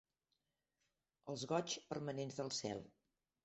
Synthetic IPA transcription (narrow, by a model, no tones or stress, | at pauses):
əlˠzɣɔt͡ʃpərmənenzðəlˠsɛ̰lˠ